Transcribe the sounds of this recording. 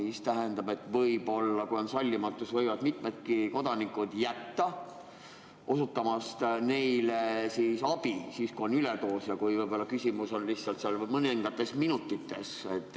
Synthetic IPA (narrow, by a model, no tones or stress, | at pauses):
ist̪æɦend̪ɑbe̞t̪ːˑvɤjbo̞lːɑkujo̞nsɑlʲːimɑt̪ːˑusvɤjvɑd̪mit̪ˑmed̪̥̚kiko̞d̪̥ɑnikud̪jæt̪ːɑ | ʔo̞sut̪ːˑɑmɑst̪ne̞jlesiːsɑb̥isiːskuo̞nylet̪o̞ːsjɑkujvɤjbo̞lːɑkysʲimuso̞nlihtsɑlt̪seɑlmɤniŋɡ̥ɑt̪ːˑe̞sminut̪ːˑit̪ːe̞set̪ˑː